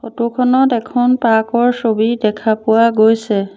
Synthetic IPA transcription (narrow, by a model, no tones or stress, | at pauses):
xotukʰɔnɔtɛkʰɔnpakɔɹsobidɛkʰapʊwaɡojsɛ